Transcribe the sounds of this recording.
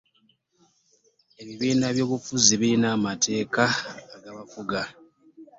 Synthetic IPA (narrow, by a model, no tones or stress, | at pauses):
e̞βiβiːnaβjo̞ːβufuziβiɾinaːmatʰe̞ːkaːɡaβafuɡa